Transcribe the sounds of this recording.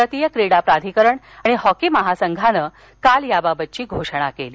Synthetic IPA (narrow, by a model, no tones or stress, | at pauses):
ət̪ijəkɾiɽapɾad̪ʱikəɾəɳ | aɽ̃ihɔkiməɦasəŋɡʱanəː | kaljababət̪̚ːt͡ɕiːɡʱoʂɳ̃akeliː